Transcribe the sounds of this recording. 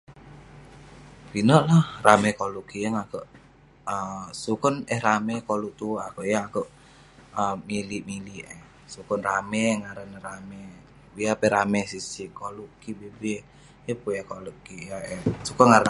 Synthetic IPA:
pinəʔlahramɛkolukiəŋakəʔ | əsukənɛhramɛkoluʔt̪uakəʔjaakəʔ | əmilimiliʔɛh | sukənramɛŋaɾənɾamɛ | ijapɛɾamɛsisikolukibebe | jəpujakolukijaɛsukənŋaɾən

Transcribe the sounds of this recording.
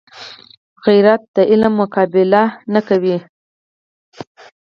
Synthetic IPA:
ɣijɾat̪̚d̪əʔɪlamːʊkɑbɪlanakawi

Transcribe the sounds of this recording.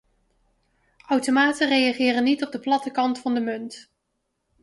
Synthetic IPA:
ʔawtomaːtərejɑχɪːrənːitɔb̚dəplɑtəkɑntfɑndəmɵnt

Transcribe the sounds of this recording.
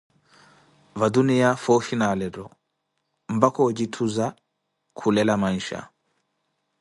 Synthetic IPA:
vadunijafɔfinalɛɾɔ | mbakɔd͡ʒitʰuza | kʰulɛlamaniʃa̰

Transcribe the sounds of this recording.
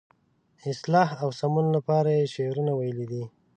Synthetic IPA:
ɪslɑhawsamunlapɑɾajeʃeɾunawajəlid̪i

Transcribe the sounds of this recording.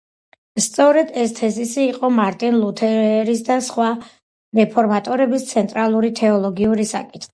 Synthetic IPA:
st̪sʼɔɾɛd̪ɛst̪ʰɛzisiːqʼɔmaɾt̪ʼinlˠut̪ʰɛɾɾisd̪asχwa | ɾɛpʰɔɾmat̪ʼɔɾɛbist̪sʰɛnt̪ʼɾalˠuɾit̪ʰɛɔlˠɔɡiuɾisa̰kʼi̥t̪ʰχi̥i̥

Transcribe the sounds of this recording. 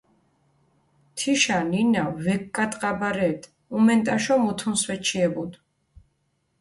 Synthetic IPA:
t̪ʰiʃaninavɛkkʼːat̪ʼqʼabaɾɛːt̪ʰʼ | umɛnt̪ʼaʃɔmut̪ʰunswɛt͡ʃʰiɛbud̪

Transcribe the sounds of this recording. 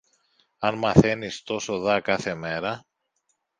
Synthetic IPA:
ɐnmɐθe̞nist̪o̞so̞ðɐkɐθe̞me̞ɾɐ

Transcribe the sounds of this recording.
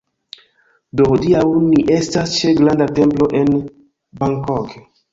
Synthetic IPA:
dohodiawniʔe̞stast͡ʃe̞ɡlandate̞mplo̞ʔe̞n | baŋkok

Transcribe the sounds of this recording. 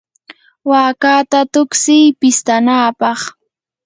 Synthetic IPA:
waːkat̪at̪ʊksɪjpɪst̪anaːpɑχ

